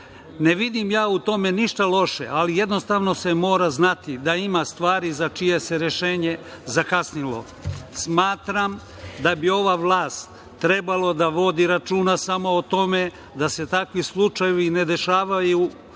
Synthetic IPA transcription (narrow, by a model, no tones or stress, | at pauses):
neʋid̪imjaːut̪o̞me̞niʃt̪alo̞ʃḛʔalije̞d̪no̞st̪aʋno̞se̞mo̞ːɾaznat̪id̪aimast̪ʋaːɾizat͡ʃije̞se̞ɾjeʃeːɲe̞ | zakasnilo̞̰ | smaːt̪ɾam | d̪abio̞ʋaʋlaːst̪ː | ɾe̞balo̞d̪aʋo̞d̪iɾat͡ʃuːnasamo̞ːt̪o̞me̞ | d̪ase̞t̪akʋislˠut͡ʃajeʋine̞d̪e̞ʃaːʋaju